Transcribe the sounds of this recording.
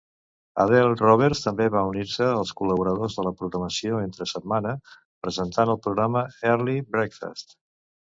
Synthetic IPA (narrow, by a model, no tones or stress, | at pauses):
ə̰ðɛlˠrɔβ̞ɛɾst̪əmbeβauniɾsəːlˠskuləβuɾəðozðələpɾuɣɾəməsioent̪ɾəsəd̪̚manə | pɾəzənt̪anəlˠpɾuɣɾaməɛɾlibɾɛkfə̰st̪